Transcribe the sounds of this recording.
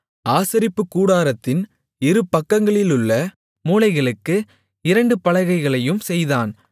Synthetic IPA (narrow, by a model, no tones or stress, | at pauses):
aːsɐɾɪpːɯkːuːɽaːɾɐt̪ːɪn | ɪɾɯpːɐkːɐŋɡɐɭɪlʊɭːɐ | muːlɐɪɣɐɭɯkːɯ | ɪɾɐɳɖɯpɐlɐɪɣɐɪɣɐɭɐjɯmsɛjðaːn